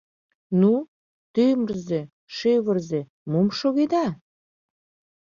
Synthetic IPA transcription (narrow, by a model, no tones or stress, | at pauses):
nu | t̪ømərze | ʃeβə̆rze | momʃoɣed̪ɑ